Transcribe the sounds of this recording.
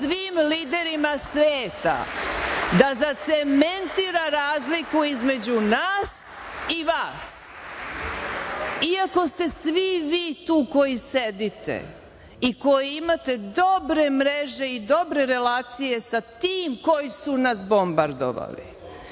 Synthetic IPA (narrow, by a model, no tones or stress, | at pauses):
sʋiːmliːd̪e̞ɾimasʋeːt̪a̰ | d̪azat̪sement̪iɾaɾaːzlikuizme̞d͡ʑunaːs | iʋaːs | iako̞st̪e̞sʋiʋiːt̪uːko̞jise̞d̪it̪ḛ | iko̞jeimat̪e̞d̪o̞bɾe̞mɾeʒe̞id̪o̞bɾe̞ɾe̞laːt̪sije̞sat̪iːmko̞jisunasbo̞mbaɾd̪o̰ʋa̰lḭ